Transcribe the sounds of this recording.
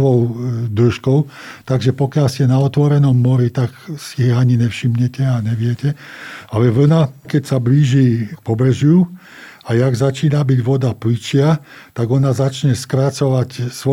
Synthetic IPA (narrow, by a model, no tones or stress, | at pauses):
ʋɔʊd̪əʃkɔʊt̪aɡʒɛpɔkjalsɛnaɔt̪ʋɔɾɛnɔmːɔɾit̪aksiaɲinɛfʃimɲɛcɛaɲɛʋɪɛcɛalɛʋl̩nakɛcsabliːʒikpɔbɾɛʒju | ajaɡzat͡ʃiːnabiɟʋɔd̪aplit͡ʃɪat̪aɡɔnazat͡ʃɲɛskɾat͡sɔʋacsʋɔ